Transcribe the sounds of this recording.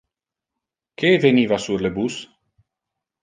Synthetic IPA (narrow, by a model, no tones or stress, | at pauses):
keveniːvasuɾlebus